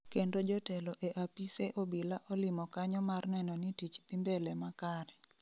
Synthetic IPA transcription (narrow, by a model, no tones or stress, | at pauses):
kendod͡ʒɔtɛlɔʔeʔapiseʔobilaʔɔlɪmɔkaɲɔmarnɛnɔnitit͡ʃt̪imbelɛmakaɾɛ